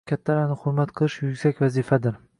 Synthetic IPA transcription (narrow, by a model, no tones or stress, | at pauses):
kʲʰat̪ʰːalanɪχʊɾmat̪qʰɨlˠɪʃjʊɡʲsakʲvazifad̪ɪɾ